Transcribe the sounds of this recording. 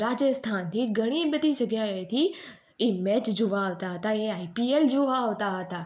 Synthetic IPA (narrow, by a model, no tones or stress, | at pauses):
ɾaːd͡ʒəst̪ʰant̪ʰiɡʱəɽ̃ibəd̪id͡ʒəɡjaet̪ʰi | imɛt͡ʃd͡ʒoʋaːʋt̪aɦət̪aeaipield͡ʒoʋaːʋt̪aɦət̪a